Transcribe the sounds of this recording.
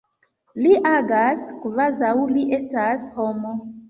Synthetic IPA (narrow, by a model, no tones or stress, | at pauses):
liʔaɡaskvazawliʔe̞stashomo